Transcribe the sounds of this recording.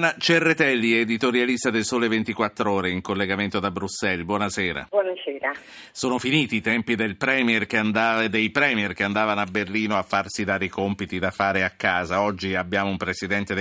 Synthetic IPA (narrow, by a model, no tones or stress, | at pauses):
nat͡ʃerːet̪ɛlːiɛːd̪it̪oɾjalist̪ad̪elsoːlevent̪ikwat̪ːɾoːɾeiŋkolːeɡament̪od̪abɾusːɛlbwɔnasɛːɾa̰bwɔnasɛːɾa | soːnofiniːt̪it̪ɛmpid̪elpɾɛːmiɛrkeand̪aːd̪ejpɾɛːmiɛrkeand̪aːvanoabːerliːnoafːarsid̪aːɾeikompit̪id̪afaːɾeakːaːzaɔd͡ʒːiabːjaːmoumpɾesid̪ɛnt̪ed̪